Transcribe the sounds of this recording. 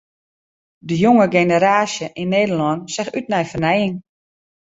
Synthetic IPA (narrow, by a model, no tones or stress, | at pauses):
dəjoŋəɡenəɾaːsjəʔinːeːdəlɔnsɛxyt̚nɛjfərnɛjɪŋ